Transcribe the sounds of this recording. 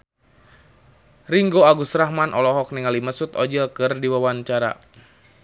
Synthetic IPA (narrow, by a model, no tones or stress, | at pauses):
riŋɡoaɡusɾahmanʔɔlɔɦɔk̚niŋaliməsut̪ɔd͡ʒəlkɨrdiwawaɲt͡ʃaɾa̰